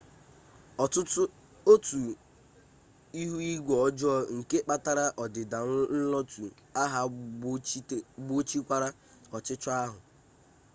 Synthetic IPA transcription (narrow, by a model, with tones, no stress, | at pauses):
ʊ˦ | o˦tu˨ | i˦ɦu˦i˦ɡʷɔ˨ɔ˦d͡ʒɔ˦ŋ̩˨ke˦k͡pa˦ta˦ɾa˦ʔɔ˨dɪ˨da˨n̩˦lɔ˦tu˨ | a˦ɦa˦ | ɡ͡bo˦t͡ʃi˦kʷa˦ɾa˦ | ɔ˨t͡ʃɪ˦t͡ʃɔ˦a˦ɦʊ˨